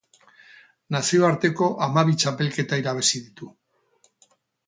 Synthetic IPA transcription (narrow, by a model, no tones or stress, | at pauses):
nasio̞aɾt̪e̞ko̞ʔamaβit͡ʃape̞lke̞t̪aiɾaβ̞e̞siðit̪u